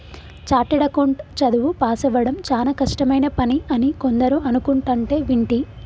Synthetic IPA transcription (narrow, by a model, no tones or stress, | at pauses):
t͡ʃaːʈiɽɐkoɳʈt͡ʃɐd̪uʋupaːsɐʋɐɽɐmt͡ʃaːnɐkɐʂʈɐmɐjnɐpɐniɐniko̞nd̪ɐɾuʔɐnukuɳʈɐɳʈe̞ːʋiɳʈi